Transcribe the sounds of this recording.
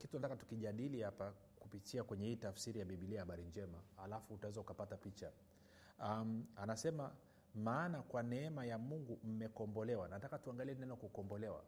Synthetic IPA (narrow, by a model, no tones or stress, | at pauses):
kintunatakatu̥kiʄaɗilihapa | kupitʰiakwɛɲɛhiːtafsiɾijaɓiɓiliajahaɓaɾiɲd͡ʒɛmahalafuːtawɛzaukapatapit͡ʃa | amanasɛma | maːnakwanɛɛmajamuŋɡum̩mɛkɔmbɔlɛwanatakatuaŋɡaliɛnɛnɔkukɔmbɔlɛwa̰